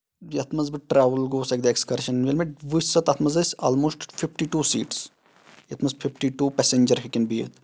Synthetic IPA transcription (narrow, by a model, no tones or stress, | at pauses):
jɐt̪ʰmɐzbɨʈɾaːʋəlɡoːsɐk̚d̪ɐekskɐɾʃɐnnʋelmeʈʋusɐt̪ɐt̪ʰmɐzɐsa̰ːlmoːsʈfʰifʈiʈuːsḭːʈs | jɐt̪ʰmɐzpʰifʈiʈuːpɛseɲd͡ʒɐɾɦikʲenbiːḛt̪